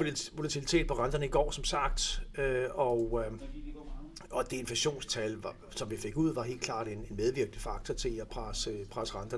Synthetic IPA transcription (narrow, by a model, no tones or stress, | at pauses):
ʋo̝læt͡sʰilit͡sʰe̝̰ːd̥̚pʰɒ̽ʁɑ̈nd̥ɐnəiɡ̥ɒ̰ːsɒ̽msɑ̈ɡ̥̚d̥øɒ | ɒ̽d̥ee̝nfæɕo̝̰ːnst͡sʰælʋɑ | sɒ̽mʋife̝ɡ̥uð̞̰ˠʋɑ̈ɦe̝̰ːld̥̚kʰlɑ̰̈ːd̥enenmeð̞ˠʋiɐɡ̥ən̩fɑ̈ɡ̥̚t͡sʰɒt͡sʰe̝læpʰʁasəpʰʁasəʁɑnd̥ɐ